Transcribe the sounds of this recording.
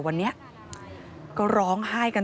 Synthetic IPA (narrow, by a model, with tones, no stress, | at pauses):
wa˧nːi˦˥ɐʔ | kɔː˥˩ɾɔː˦˥ŋhaː˥˩jka˧n